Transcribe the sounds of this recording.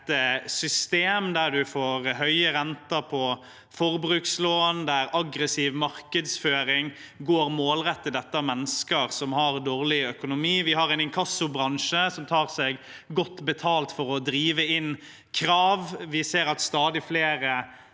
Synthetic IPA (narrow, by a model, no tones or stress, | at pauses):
t̪sʏst̪eːmd̪æʁd̪ʉfoːɾɦœʏəɾɛnt̪ɑpʰɔ | fɔʁbɾʉːksloːnd̪æɾɑɡɾəsiːʋmɑɾkəd̪sføːɾɪŋ | ɡoːɾmoːlɾɛt̪ːəd̪ɛt̪ːɑmɛnːəskəɾsɔmhɑʁd̪oːʁlɪœkʊnʊmiːʋɪhɑʁɛɪnɪŋkʰɑsʊbɾɑŋʃəsɔmt̪ʰɑːʁsɛɡ | ɡɔt̪ːbɛt̪ʰɑːlt̪fɔɾɔd̪ɾiːʋəɪn | kʰɾɑːʋʋɪseːɾɑt̪st̪ɑːd̪ɪfleːɾə